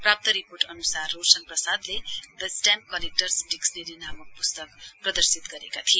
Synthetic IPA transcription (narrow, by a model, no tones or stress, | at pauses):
prap̚t̪ʌɾiporʈʌnusarːorsʌŋprʌsad̪lebesʈan̚kʌlek̚ʈʌrsɖiksneɾinamʌk̚pust̪ʌkprʌd̪ʌrsit̪ɡʌɾekat̪ʰie